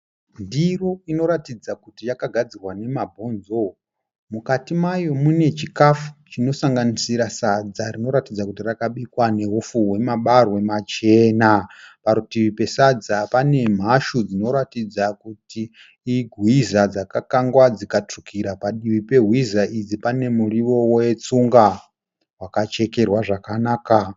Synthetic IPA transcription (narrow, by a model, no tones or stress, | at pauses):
ndiroino̞ɾatid͡zakutijakaɡʱad͡zirwane̞mabʱo̞ːnzo̞ | mukatimajo̞mune̞t͡ʃikafu̥t͡ʃino̞saŋɡanisiɾasad͡zarino̞ɾatid͡zakutirakaɓikwane̞ɦufuwe̞maɓarwe̞mat͡ʃe̞napaɾutiʋipe̞sad͡zapane̞m̤aʃud͡zino̞ɾatid͡zakutiː | ɡʱwizad͡zakakaŋɡwad͡zikatukʰiɾapaɗiʋipe̞ɦwizaʔid͡zipane̞muriʋo̞wojet͡suŋɡa | ɦwakat͡ʃe̞ke̞rwaʐakanaːka